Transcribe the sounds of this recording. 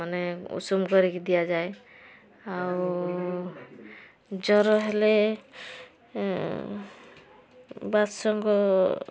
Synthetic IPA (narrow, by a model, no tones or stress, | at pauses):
maneṵsumkɔɾiked̪ijad͡ʒae | awu | d͡ʒɔɾɔɦele | bad̪sɔŋɡɔ